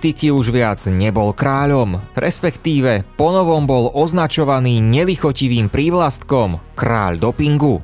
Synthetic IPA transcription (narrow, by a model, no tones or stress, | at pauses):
t̪ikiuʒʋɪad͡zɲɛbɔlkɾaːʎɔmɾʔɛspɛkt̪iːʋɛpɔnɔʋɔmbɔlʔɔznat͡ʃɔʋaniːɲɛlixɔciʋiːmpɾiːʋlast̪kɔmkɾa̰ːʎd̪ɔpiŋɡu